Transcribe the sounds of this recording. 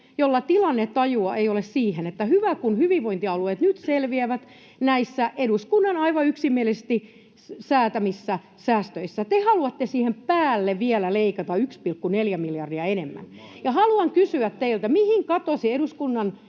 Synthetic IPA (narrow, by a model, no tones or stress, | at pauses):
jolːɑt̪ilɑnːet̪ːɑjuɑʔeiolessiːhenet̪ːæhyʋækunhyʋiʋʋoint̪iɑlueˑt̪nyt̪selʋiæʋæt̪ | næisːæʔeɾuskunːɑnɑiʋɑyksimːielisest̪i | sæːt̪æmisːæ | sæːst̪øisːæt̪ehɑluɑt̪ːesiːhempæːlːeʋʋielæleikɑt̪ɑykspilkːuneljæmiljɑrdiɑenemːæ̰n | jɑhɑluɑŋkysyæt̪t̪eilt̪æmihiŋkɑt̪osieɾuskunːɑn